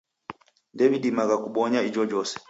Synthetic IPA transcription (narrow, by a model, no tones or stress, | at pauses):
ndɛviɗimaɡakuɓɔɲaid͡ʒɔd͡ʒɔsɛ̥